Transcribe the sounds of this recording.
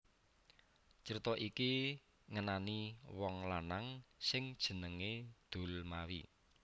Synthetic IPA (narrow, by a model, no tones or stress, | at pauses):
t͡ʃəɾit̪ɔʔiki | ŋənaniwɔŋlanaŋsɪŋd̥ʒ̥ə̤nəŋed̪̥o̤lmawḭ